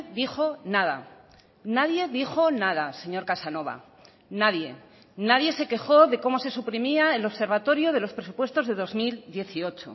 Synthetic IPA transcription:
ðixo̞naða̰ | naðje̞ðixo̞naðase̞ɲo̞ɾkasano̞βa̰ | naðje̞ | naðje̞se̞ke̞xo̞ðe̞ko̞mo̞se̞supɾimiaelo̞βse̞ɾβat̪o̞ɾjoð̞e̞lo̞spɾesupwe̞st̪o̞zðe̞ðo̞zmild̪je̞θio̞t͡ʃo̰

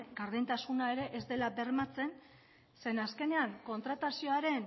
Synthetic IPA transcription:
ɡaɾðejnt̪asunae̞ɾe̞ʔezd̪e̞labe̞ɾmat͡se̞n | se̞naske̞ne̞aŋko̞nt̪ɾat̪asio̞aɾe̞n

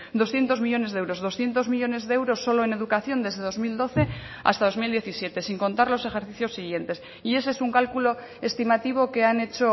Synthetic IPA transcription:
d̪o̞sθje̞nt̪o̞zmiʎone̞zðewɾo̞zðo̞sθje̞nt̪o̞zmiʎo̞ne̞zðeewɾo̞sːo̞loene̞ðukaθjo̞nd̪e̞zðe̞ð̞o̞zmild̪o̞θe̞ | a̰st̪aðo̞zmild̪je̞θisje̞t̪e̞siŋko̞nt̪aɾlo̞se̞xe̞ɾθiθjo̞sːiɣ̞je̞nt̪e̞s | ie̞sesuŋkalkulo̞ | e̞st̪imat̪iβ̞o̞ke̞ane̞t͡ʃo̞

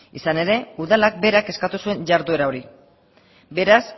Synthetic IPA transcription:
isane̞ɾe̞uðalak̚be̞ɾake̞skat̪usue̞ɲʝaɾðue̞ɾao̞ɾi | be̞ɾas

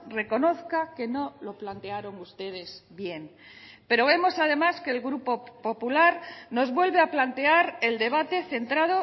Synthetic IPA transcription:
re̞ko̞no̞θkake̞no̞lo̞plant̪e̞aɾo̞ŋust̪e̞ð̞e̞zβje̞ŋ | pe̞ɾo̞β̞e̞mo̞sað̞e̞maske̞ːlɣɾupo̞po̞pulaɾno̞zβwe̞lβe̞aplant̪e̞aɾe̞ld̪e̞β̞at̪e̞θe̞nt̪ɾaðo̞

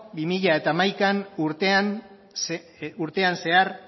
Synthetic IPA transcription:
bimiʎae̞t̪aːmajkanuɾt̪ean | s | uɾt̪e̞anse̞aɾ

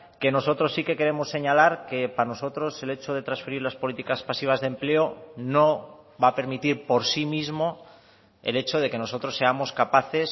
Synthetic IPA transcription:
ke̞no̞so̞t̪ɾo̞sːike̞ke̞ɾe̞mosːe̞ɲalaɾke̞pano̞so̞t̪ɾo̞se̞le̞t͡ʃoð̞e̞t̪ɾansfeɾiɾlaspo̞lit̪ikaspasiβ̞azðe̞mple̞ono | βape̞ɾmit̪iɾpo̞ɾsimizmo̞ | e̞̰le̞t͡ʃoð̞e̞ke̞no̞so̞t̪ɾo̞sːe̞amo̞skapaθe̞s

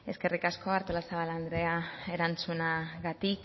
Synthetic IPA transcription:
e̞ske̞rikasko̞aɾt̪olasaβaland̪ɾe̞ae̞ɾant͡sunaɣat̪ik

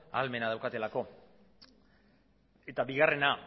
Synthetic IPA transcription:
a̰lme̞nað̞awkat̪e̞lako̞ | e̞t̪abiɣare̞na

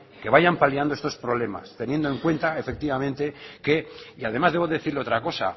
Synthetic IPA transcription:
ke̞βajampaliand̪oest̪o̞spɾo̞βle̞ma̰st̪e̞nje̞nd̪oe̞ŋkwe̞nt̪ae̞fe̞k̚t̪iβamẽnt̪e̞ke̞iaðe̞mazðeβo̞ðeθiɾleo̞t̪ɾako̞sa̰

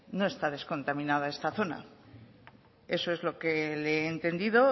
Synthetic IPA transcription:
no̞e̞st̪aðe̞sko̞nt̪amĩnaðae̞st̪aθo̞na̰ | e̞so̞e̞zlo̞keleeːnt̪e̞nd̪iðo̞

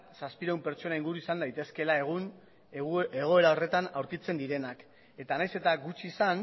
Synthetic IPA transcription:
saspiɾaumpe̞ɾt͡ʃo̞naiŋɡuɾuisand̪ajt̪e̞ske̞lae̞ɣ̞un | e̞ɣ̞o̞e̞ɾao̞re̞t̪anawɾkit͡se̞nd̪iɾe̞nak | e̞t̪anajse̞t̪aɡut͡ʃiːsan

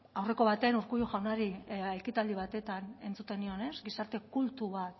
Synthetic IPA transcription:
awre̞ko̞β̞at̪eanuɾkujuʝawnaɾiajkit̪ald̪iβ̞at̪e̞t̪ane̞nt͡sut̪e̞nio̞ne̞sɡisaɾt̪e̞kult̪uβat̪

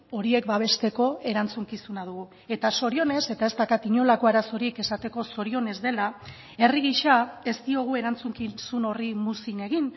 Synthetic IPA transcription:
o̞ɾie̞kbaβ̞e̞st̪e̞ko̞e̞ɾant͡suŋkisunað̞uɣu | e̞t̪aso̞ɾio̞ne̞se̞t̪ae̞zt̪akat̪iɲo̞lako̞aɾaso̞ɾieke̞sat̪e̞ko̞so̞ɾio̞ne̞zd̪e̞la | e̞riɣiʃae̞st̪io̞ɣ̞ue̞ɾant͡suŋkisuno̞rimusine̞ɣ̞in

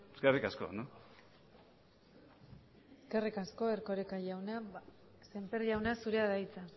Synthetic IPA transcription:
eskerikaskoa̰no | eskerikasko̞eɾko̞ɾekajawna | se̞mpeɾʝawnasuɾeaðajt͡sa

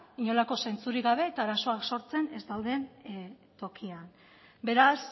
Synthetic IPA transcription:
iɲo̞lako̞se̞nt͡suɾiɣaβ̞e̞ːt̪aːɾaso̞akso̞ɾt͡se̞ne̞zd̪aw̪d̪e̞n | t̪o̞kian | be̞ɾas

